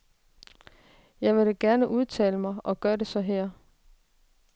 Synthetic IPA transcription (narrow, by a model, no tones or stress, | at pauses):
jɑ̈ɪʋe̝ɾeɡ̥æɐnəʔuð̞ˠt͡sʰɛ̰ːləmɑ̈ɪʔɒ̽ɡ̥ɶːɐɾe̝sɒ̽ɦɛɐ̰